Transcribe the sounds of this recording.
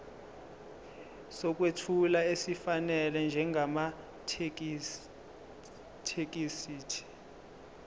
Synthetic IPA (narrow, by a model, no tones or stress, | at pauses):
sɔk̬ʼwetʰulaesifanɛlɛnd͡ʒʱɛŋɡʱama | tʰk | tʰek̬ʼisiːtʰi̥